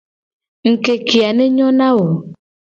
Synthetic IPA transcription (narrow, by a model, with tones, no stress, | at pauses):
ŋ̩˨ke˨ki˨a˨ne˦ɲɔ˦na˦wo˨